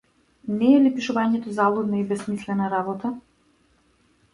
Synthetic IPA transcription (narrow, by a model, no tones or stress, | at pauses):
nɛːlipiʃuvaɲɛt̪ɔzalˠud̪naibɛsmislɛnaɾabɔt̪a